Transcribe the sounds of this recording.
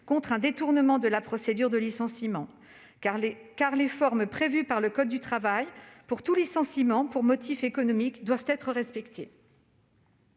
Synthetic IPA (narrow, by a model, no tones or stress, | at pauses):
kɔ̃t̪χɛ̃d̪et̪uʁnəmɑ̃d̪əlapχɔsed̪yʁd̪əlisɑ̃simɑ̃ | kaʁlefɔʁmpχevypaʁləkɔd̪̚ːyt̪χavajpuʁt̪ulisɑ̃simɑ̃puʁmɔt̪ʰifekɔnɔmikd̪wavt̪ɛt̪χəʁɛspɛkt̪e